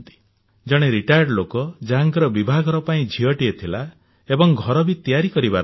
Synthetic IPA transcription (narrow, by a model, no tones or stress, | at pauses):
t̪i̥ | d͡ʒɔɽ̃eɾiʈajɖlokɔd͡ʒaɦaŋkɔɾɔbibʱaɡɔɾɔpaĩd͡ʒʱiɔʈiet̪ʰila | ebɔŋɡʱɔɾɔbit̪ijaɾikɔɾibaɾ